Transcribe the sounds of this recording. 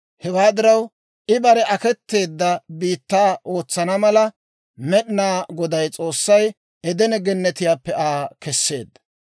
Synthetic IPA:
hɛwaːd̪ɪɾɐw | ʔɪbɐɾɛʔɐkɛt̪ːe̞ːd̪ːɐbiːt̪ːaːʔo̞ːt͡sːɐnɐmɐlɐ | mɛɗɪnaːɡɔd̪ɐjt͡sʼo̞ːsːɐj | ɛd̪ɛnɛɡɛnːɛt̪ɪjaːpːɛʔaːkɛsːe̞̰ːd̪ːɐ̥

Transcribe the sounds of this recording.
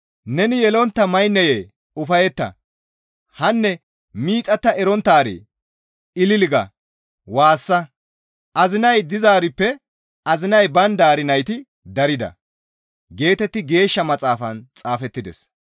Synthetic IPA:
nɛnɪjɛlɔnt̪ːɐmɐjnːɛjeː | ʊfɐjɛt̪ːɐ̰ | hɐnːɛ | miːt͡sʼɐt̪ːɐɛɾɔnt̪ːaːɾḭ | ɪlɪlɪɡɐ̰ | waːsːɐ | ʔɐzɪnɐjd̪ɪzaːɾɪpːɛ | ɐzɪnɐjbɐnd̪aːɾɪnɐjt̪ɪ | d̪ɐɾɪd̪ɐ̰ | ɡe̞ːt̪ɛt̪ːɪɡe̞ːʃːɐmɐt͡sʼaːfɐnt͡sʼaːfɛt̪ːɪd̪ɛ̰s

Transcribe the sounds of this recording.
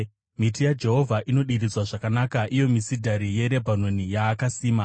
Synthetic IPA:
mitijad͡ʒe̞ɦo̞vʱaʔino̞ɗiɾid͡zzwaʐakanakaʔijo̞misidʱaɾije̞ɾe̞bʱano̞nijaːkasiːma

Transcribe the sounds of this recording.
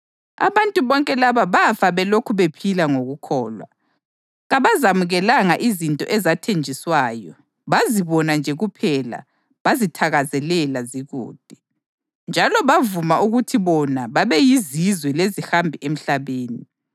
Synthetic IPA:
a̰βantʼuβɔŋkʼɛlaβaβafaβɛlokʰuβepʰilaŋoɣukʰɔ̰ːlwa̰ | ɣaβazamuɣɛlaŋaʔizintʼɔ̰ʔɛzatʰend͡ʒʱiswaːjɔ | βaziβɔnand͡ʒʱɛɣupʰɛla̰ | βazitʰaɣazɛlɛlaziɣṵːd̥̚ʱɛ | nd͡ʒʱalɔβavumaʔuɣutʰiβɔnaβaβɛjizizwɛlezihambʱiʔem̩ɬaβeːni

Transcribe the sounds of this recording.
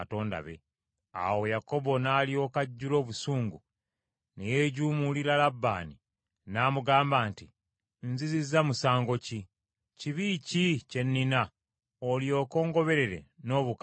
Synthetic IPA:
ato̞ːnda̰βe̞̰ | a̰wo̞jako̞bonaːlio̞kaɟːulo̞ːβusuːŋɡu | ne̞jeːɟuːmuliɾalabːa̰ːni | naːmuɡaːmbaːnti | nzizizamusaːŋɡo̞ci | ciβicice̞nːina | oljo̞ːko̞ːŋɡo̞βe̞ɾe̞ɾe̞̰no̞ːβuk

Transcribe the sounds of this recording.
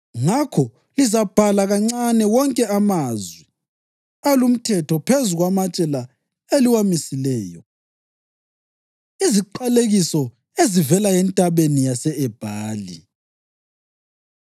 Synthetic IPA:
ŋakʰɔ | lizab̥ʱalaɣaŋ͡ǀanɛwɔŋkʼɛamazwi | alum̩tʰɛtʰɔpʰezuɣwamat͡ʃʼɛla | eliwamisilɛːjɔ | iziǃaleɣisɔ | ezivɛlajɛntʼaβenijasɛɛb̥ʱaːli

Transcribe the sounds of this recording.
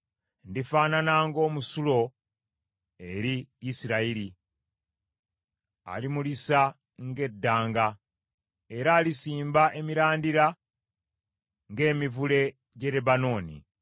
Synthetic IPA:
ndifaːnanaŋɡo̞ːmusulo̞ | e̞ɾiːsiɾaiɾi | a̰limulisa | ŋɡe̞dːaːŋɡa | e̞ɾaːlisiːmbaʔe̞miɾaːndiɾa | ŋɡe̞ːmivule̞ | ɟe̞lebano̞ːnḭ

